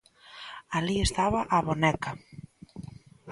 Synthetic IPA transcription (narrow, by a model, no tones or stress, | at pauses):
aliest̪aβaʔaβonɛka